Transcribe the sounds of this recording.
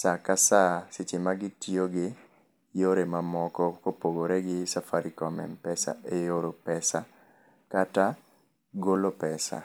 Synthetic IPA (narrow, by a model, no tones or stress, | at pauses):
sakasasɪt͡ʃɪmaɡɪtioɡɪ | joɾemamɔkɔkopoɡoɾeɡɪsafaɾikɔmɛ̰mpɛsa̰ejoɾopɛsa | kata | ɡolopɛsa̰